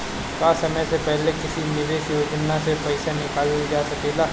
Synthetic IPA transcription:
kaːsɐməjsepɛɦlekɪsinɪʋeːʃjoːd͡ʒnasepɐɪsanɪkaːld͡ʒaːsɐkeːd̪aː

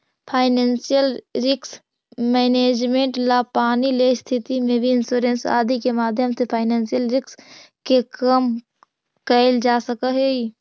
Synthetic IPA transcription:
pʰaːɪneːnsijəlɾɪks | mɛːneːd͡ʒmẽɳʈlapaːnilest̪ʰɪt̪imẽbʱiɪnsuːɾẽnsa̰ːd̪ikemaːd̪ʱjəmsepʰaːɪneːnsijəlɾɪks | kekəm | kəɪld͡ʒaːsəkəɦei

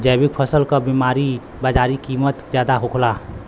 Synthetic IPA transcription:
d͡ʒəːbɪk̚pʰəsəlkabimaːɾi | bad͡ʒaːɾikiːmət̪d͡ʒjaːd̪aɦokʰla

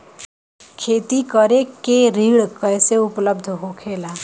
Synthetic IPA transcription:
kʰeːt̪ikəɾekeɾiːɽkəjseʊpləb̚d̪ʱɦokʰeːlaː

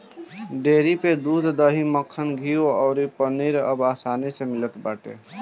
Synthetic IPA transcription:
ɖeɾiped̪ud̪ʱd̪əɦiməkʰːənɡʱioɔʊɾipəniɾəbasanisemilət̪baʈḛ

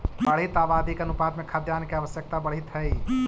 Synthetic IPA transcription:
bəɽ̤it̪aːbaːd̪ikɐnʊpaːd̪mẽkʰad̪jaːnkiaːʋəsjək̚t̪abɐɽ̤it̪ɦɛi

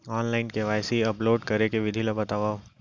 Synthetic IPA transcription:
ɔːnlaːɪnkeʋaːɪsiɐploːɖkɐɾekeʋɪd̪ʱilabɐt̪aːʋaː

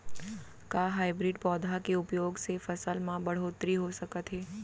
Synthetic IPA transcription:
kaːɦaːɪbɾɪːɖpɔːd̪ʱakeʊpjoːɡsefɐsəlmãbɐɽ̤oːt̪ɾiɦosɐkət̪ɦɛː

